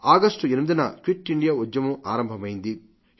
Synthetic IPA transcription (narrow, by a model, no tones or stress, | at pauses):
aːɡɐsʈuenimid̪inɐkʋiʈːiɳɖijaːud͡ʒjɐmuʔaːɾɐmbʱɐmɐjind̪i